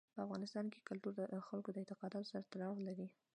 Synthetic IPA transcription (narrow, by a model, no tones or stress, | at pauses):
pəafɣɑnɪst̪ɑnke̥kʊlt̪uɾd̪əxalkod̪əɪnt̪ɪqɑd̪ɑt̪osaɾat̪aɾɑwlaɾi